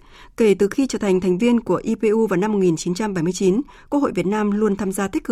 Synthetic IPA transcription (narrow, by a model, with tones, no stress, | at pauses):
ke˧˩t̪ɨ˨˩xi˧t͡ɕəː˧˩t̪ʰŋ̟t̪ʰɛ˨˩ŋ̟vi˧ənku˧˩əʔi˧pe˧ʔu˧vaː˨˩wna˧mːo˨˩t̚ŋi˨˩nt͡ɕi˨˦nt͡ɕa˧mɓa˧˩jmɨ˧ət͡ɕi˨˦n | ku˧ək̚ho̰˧˨vət̚naː˧mlu˧ənt̪ʰaː˧mzaː˧t̪ʰi˦˥k̚ʰɨ˨˩